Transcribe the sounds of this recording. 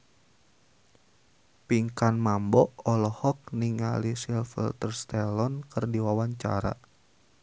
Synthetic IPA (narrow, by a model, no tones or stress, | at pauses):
piŋkanmambɔʔɔlɔhɔk̚niŋa̰lisilfḭlt̪ərst̪ɛlɔnkɨrdiwawaɲt͡ʃa̰ɾa̰